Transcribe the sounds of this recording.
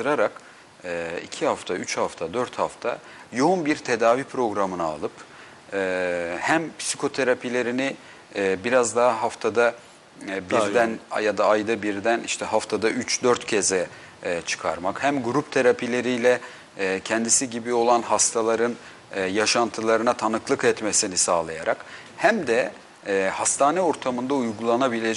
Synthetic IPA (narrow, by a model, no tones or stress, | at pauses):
t̪ɯɾaɾakː | ḭcʰihaft̪ʰayt͡ʃhaft̪ʰad̪øɾt̪haft̪ʰa | jo̞unbiɾt̪ʰe̞d̪aːvipʰɾo̞ɡɾamɯnaa̰lˠɯpː | hæmpʰsikʰo̞t̪ʰeɾapʰilʲe̞ɾinɪ | biɾazd̪aɦaɦaft̪ʰad̪a | biɾd̪ænjad̪aːjd̪abiɾd̪æniʃt̪ʰɛɦaft̪ʰad̪ayt͡ʃd̪øɾt̪cʰɛzɛ | t͡ʃʰɯ̥kʰa̰ɾmakhæmɡuɾupt̪ʰe̞ɾapʰilʲe̞ɾijlʲɛ | cʰɛnd̪isiɟibio̞lˠanɦast̪ʰalˠaɾɯnː | jaʃant̪ʰɯlˠaɾɯnat̪ʰanɯklˠɯkɛt̪mesinisaːlˠajaɾak | hæmd̪ɛ | hast̪ʰaːnɛo̞ɾt̪ʰamɯnd̪aujɡulˠanabilʲe